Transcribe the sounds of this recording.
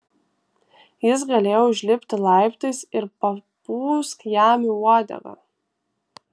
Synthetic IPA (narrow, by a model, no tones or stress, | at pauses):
jɪs̬ɡɐlʲeːjoʊʒʲlʲɪpʲt̪ʲɪlˠɑɪpt̪ɐɪsɪɾpɐpuːskjæːmʲiuɔd̪ʲɐ̰ɡɐ̰